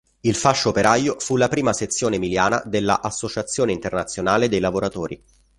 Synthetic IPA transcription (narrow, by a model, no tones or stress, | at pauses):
ilfaʃːopeɾajofulapɾiːmaset̪sːjoːnemiljaːna̰d̪elːa̰ʔasːot͡ʃat̪sːjoːneint̪ernat̪sːjonaːled̪ejlavoɾat̪oːɾḭ